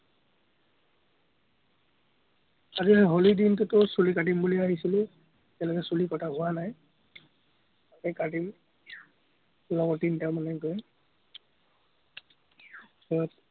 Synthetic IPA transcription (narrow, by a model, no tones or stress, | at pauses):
aziɦolidintutʊsulikadimbuliaɦisilʊ̃ | tɛjalɔkɛsulikɔtʰaɦʊwanaj | akɛkadim | lɔɡɔtintaɹmanɛɡɔj | sɔɔt